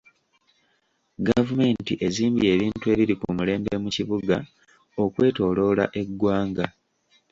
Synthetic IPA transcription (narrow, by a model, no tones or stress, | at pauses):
ɡavume̞ːntiʔe̞ziːmbie̞βiːntue̞ːβiɾikṵmule̞ːmbe̞muciβuɡa | o̞kwe̞ːto̞ːlo̞ːla̰ʔe̞ɡːwaːŋɡa